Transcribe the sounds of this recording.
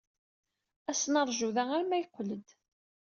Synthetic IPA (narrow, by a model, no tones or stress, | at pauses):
æsnəɾˤʒuðææɾmæjqːləd̪